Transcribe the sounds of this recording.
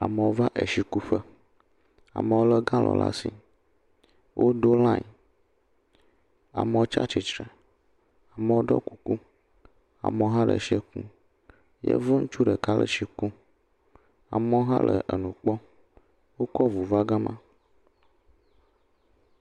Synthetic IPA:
a̰˨mə˨wo˦va˦ʔe˨ʃi˨ku˦ɸə˦ | a̰˨mə˨wo˦lə˦ɡã˦lʔɔ̰̃˨la̰˦si˨ | wʔo˦ɖo˦lã˦ɲ˨ | a̰˨mə˨wo˦t͡ʃa̰˦t͡ʃi˨t͡ʃɾe˨ | a˨mə˨wo˦ɖɔ˦ku˨ku˦ | a̰˨mə˨wo˦ɦã˦lə̰˨ʃi˦ɛ˦kṵ̃˦ | jḛ˦vo˦ŋ̩˦t͡ʃu˦ɖə˨ka˦lə̰˦ʃi˨kũ˦ | a̰˨mə˦wo˦ɦã̰˦lə̰˨ʔə˨nũ˨k͡pɔ˦ | wo˦kɔ˦vu˨va˦ɡã˦mã˦

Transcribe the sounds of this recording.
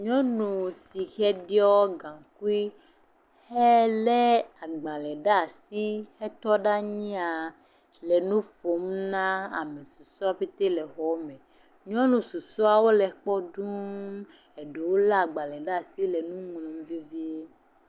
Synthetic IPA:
ɲɔ̃˦nũ˨si˨xɛ˦ɖi˦ɔ˦ɡã˨ŋku˦i˦ | hɛ˦le˦a˨ɡ͡ba˨lɛ˨ɖa˦˨si˦hɛ˦t̪ɔ˦ɖa˦ɲĩ˦a˨ | lɛ˨nũ˦fo˨˦mnã˦a̰˨me˨su˨su˦a˦ɸe˦t̪e˦lɛ˨xɔ˦mɛ̃˨ | ɲɔ̃˦nũ˨su˨su˦a˨wo˦lɛ˨k͡pɔ˦ɖu˦ | e˨ɖe˨wo˦la˦˨ɡ͡ba˨lɛ˨ɖa˦˨si˦lɛ˨nũ˦ŋ˨lɔ̃˨m˦vi˦vi˦e˦

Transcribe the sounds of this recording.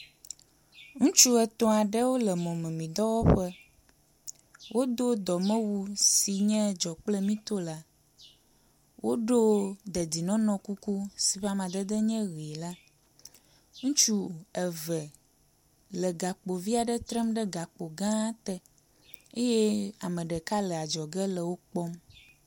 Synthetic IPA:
ŋũ˦t͡ʃu˦ɛ˨t̪ɔ˦a˨ɖɛ˦wo˦lɛ˨mɔ̃˨mɛ̃˨mĩ˨d̪ɔ˦wɔ˦ɸɛ˦ | wʔo˦d̪o˦d̪ɔ˨mɛ̃˦wu˦si˨ɲɛ̃˦d͡ʒɔ˨k͡plɛ˦mĩ˦t̪o˦la˦ | wʔo˦ɖo˦d̪ɛ˨d̪i˨nɔ̃˦nɔ̃˦ku˦ku˦si˨ɸa˦mã˨d̪ɛ˦d̪ɛ˦ɲɛ̃˦ɣi˨la˦ | ŋũ˦t͡ʃu˦ɛ˨vɛ˨ | lɛ˨ɡa˨k͡po˨vi˦a˨ɖɛ˦t̪ɾɛ˦mɖɛ˦ɡa˨k͡po˨ɡã˦t̪ɛ˦ | e˦jɛ˦a˨mɛ̃˨ɖɛ˨ka˦lɛ˨a˨d͡ʒɔ˨ɡɛ˦lɛ˨wo˦k͡pɔ˦m

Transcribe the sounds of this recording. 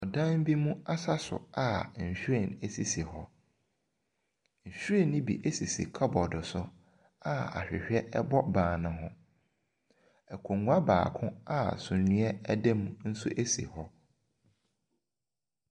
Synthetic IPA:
ɔ˨dã˦m˦bi˦mũ˦a˦sa˦sʊ̰˨a˨ɲ̩˨ɕᶣɾɛ˦˨ne˦˨si˦si˨hɔ˦ | ɲ̩˨ɕᶣɾe˦˨nːɪ̃˦bḭ˨ʔe˦si˨sḭ˨kʰɔ˦bɔ˨dʊ˨sʊ˦ | a˦a̰˨ɕᶣɪ˨ɕᶣɛ˦ɛ˦bɔ˦bãː˨nʊ̃˨ɦʊ̃˦ | ɛ˨kʷʰõ˨ŋɡʊ˦a˦ba̰ː˨kʰʊ̃˦a˦sʊ̃˨nũ˦ɛ˦dɛ˦mũ˦n̩˦sʊ˦ʔe˦sḭ˨hɔ˦

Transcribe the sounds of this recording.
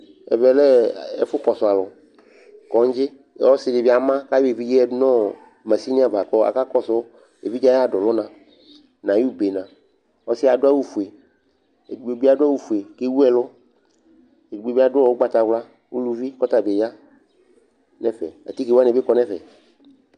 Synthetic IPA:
ɛ̰˨vɛ˨lɛ˦˨ḛ˦fʊ˦kɔ˨sʊ˨a˨lɔ˨ | kɔ˨ŋ˦d͡ʒɪ˦˨˦ | ɔ˦sɪ˨dɪ˨vi˦a˨mã˦ka˦je˨vi˦d͡ʒi˦ɛ˦nɔ̃˦˨ | mã˨si˦nĩ˦a˦˨va˨kɔ˦a̰˨ka˦kɔ˦sɔ˦ | e˨vi˦d͡ʒa˦a˦˨dɔ˨lɔ˦nã˨ | nã˨ju˦˨be˨nã˨ | wɔ˦sɪ˦a˨dʊ˦a˦wu˦fu˨e˨ | e˨ɡ͡be˨bi˦a˨dʊ˦a˦wu˦fu˨e˨ke˦wu˦ɛ˦˨lʊ˦ | e˨ɡ͡be˨bi˦a˦dʊ˦ɔ˨wo˦ɡ͡ba˦t̪a˨vla˦ | wu˦lu˦vi˦kɔ˦t̪a˨be˨ja˦ | nɛ̃˦fɛ̰˨a̰˨t̪i˦ke˨wa˦nɛ̃˨be˦kɔ˨nɛ̃˦fɛ̰˨

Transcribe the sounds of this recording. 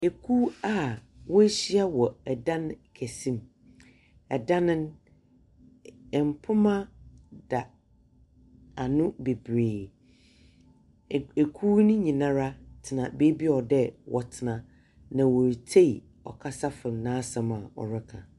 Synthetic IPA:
e˨kʰu˦a˦wɔ˦ɕi˦a˦wɔ˨ɛ˨dã˦n˨kʰæ˨sĩ˦m | ɛ˨dã˦nɪ̃˦n˨ | m̩˨pʰʊ˦mã˦d̥a˨ | a˨nʊ̃˦be˨bɾeː˨ | e˨kʰu˦nʊ̃˦ɲĩ˨nã˦ɾa˦tʰɪ˨nã˨be˦bi˦ɔ˨dɛ˦wʔɔ̰˨tʰɪ˨nã˨ | nã˨wo˨ɾtʰe˦i˨ | ɔ̰˨kʰa˦sa˦fɪ˨n˨nãː˦sã˨ma˨ɔ̰˨ɾɪ˦kʰã˨

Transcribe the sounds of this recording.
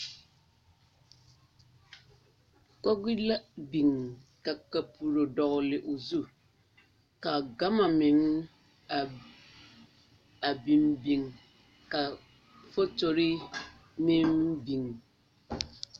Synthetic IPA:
kɔ˦ɡi˦la˦bi˨ŋka˨ka˨pʰu˨ɾo˨dɔ˨ɣlɪ˨ʔo˨zu˦ | ka˨ɡa˦ma˨mɪ˨ŋ | a˨ | a˨bi˨mbi˨ŋ | ka˨ | fo˦to˨ɾɪ˦ | mɪ̃˦mbi˨ŋ

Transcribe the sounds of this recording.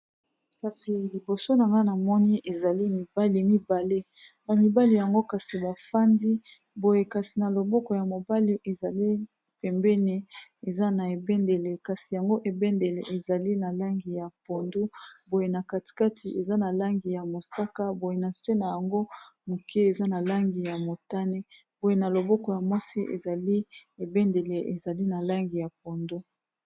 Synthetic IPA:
ka˨si˨li˨bo˨so˦na˨ŋɡa˦na˨mɔ˦ni˦ʔe˨za˨li˦mi˨ba˦li˨mi˦ba˨le˦ | ba˨mi˨ba˦li˨ja˨ŋɡo˦ka˨si˨ba˨fa˦ndi˦ | bo˨je˨ka˨si˨na˨lo˨bɔ˦kɔ˨ja˨mo˨ba˦li˦ʔe˨za˨li˦ | pɛ˨mbɛ˦ne˨e˨za˦na˨e˨bɛ˦nde˨le˨ka˨si˨ja˨ŋɡo˦ʔe˨bɛ˦nde˨le˨ʔe˨za˨li˦na˨la˦ŋɡi˨ja˨po˨ndu˦bo˨je˨na˨ka˨ti̥˨ka˦tʰi˨ʔe˨za˦na˨la˦ŋɡi˨ja˨mo˨sa˦ka˦bo˨je˨na˨se˦na˨ja˨ŋɡo˦mo˨kʰe˦e˨za˦na˨la˦ŋɡi˨ja˨mo˨ta˦ne˦ | b̥o˨je˨na˨lo˨bɔ˦kɔ˨ja˨mwa˦si˦ʔḛ˨za˨li˦e˨bɛ˦nde˨le˨ʔe˨za˨li˦na˨la˦ŋɡi˨ja˨p̚o˨ndu˦

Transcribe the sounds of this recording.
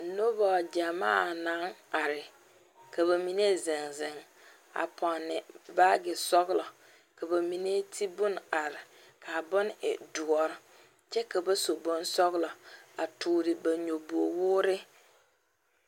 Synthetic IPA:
no˦bɔ˨d͡ʒa˨maː˦˨na˨˦ŋa˨ɾɪ˨ | ka˨βa˨mi˨ne˦zɪ˨ŋzɪ˨ŋ | a̰˨pʰɔ˨nːɪ˨ba˦ɡɪ˨sɔ˦ɣlɔ˨ | ka˨ba˨mi˨ne˦tʰi˦bʊ˦n˨a˨ɾɪ˨ | kʰa˨bʊ˦n˦ɪ̰˨du˨ɔ˨ɾɪ˨ | t͡ʃɛ˦ka˨ba˦so˨bʊ˦n˦sɔ˦ɣlɔ˨a˨tʰuː˨ɾɪ˨ba˨ɲo˨bu˨o˨wʊː˦ɾɪ˦

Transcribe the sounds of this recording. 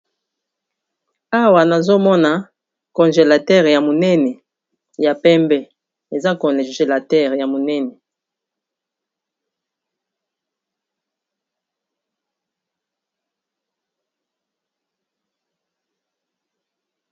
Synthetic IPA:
a˦wa˨na˨zo˦mɔ˦na˨ | kɔ˨nʒe˨la˨tɛ˦˨ʁja˨mo˨nɛ˦nɛ˨ | ja˨pɛ˦mbɛ˦ | e˨za˦kɔ̃˨ʒe˨la˨tɛ˦˨ʁja˨mo˨nɛ˦nɛ˨

